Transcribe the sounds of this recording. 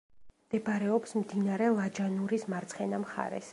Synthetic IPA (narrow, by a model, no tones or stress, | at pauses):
md̪̥ɛbaɾɛɔpsmd̪inaɾɛlˠad͡ʒanuɾismaɾt̪sʰχɛnamχa̰ɾɛ̰s